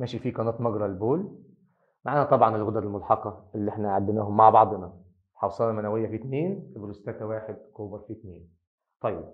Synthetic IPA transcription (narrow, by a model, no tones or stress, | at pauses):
mæːʃifiːkɑnɑːt̪ˤmɑɡɾˤɑlboːl | maʕaːnæt̪ˤɑbʕɑnɪlɣʊd̪ɑlmʊlħɑqɑʔɪlːʔɪħnæʕad̪ːɪnæːhʊmːaʕbɑʕd̪ˤnɑ | ħɑwsˤɑlːnɑmænæwɪjːæfit̪neːnfiblust̪æːt̪æwaːħɪd̪̚kuːbɑɾˤfit̪neːn | t̪ˤɑjːɪb̚